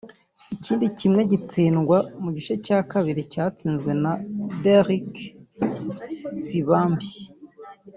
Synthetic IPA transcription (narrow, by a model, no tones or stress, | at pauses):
iciːndicimŋe̞ɟit͡siːnɡwamuɟit͡ʃecaːkaβiɾicaːt͡siːnzɡwe̞nadeɾik | siβaːmbi